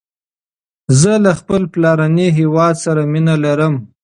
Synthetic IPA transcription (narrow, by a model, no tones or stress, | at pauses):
zəlaxpəlplɑɾaniɦewɑd̪saɾaminalaɾəm